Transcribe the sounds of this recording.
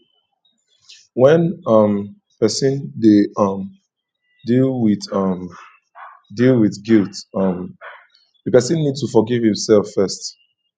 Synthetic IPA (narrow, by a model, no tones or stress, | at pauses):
wɛ̃nʌm | pʰɛsə̃ndeʌm | dilˠwɪθʌm | dilˠwiθɡilˠtʌ̃m | ðəpɛsə̃nːid̚tufɔɡiv̥hĩmsɛlˠfːɜst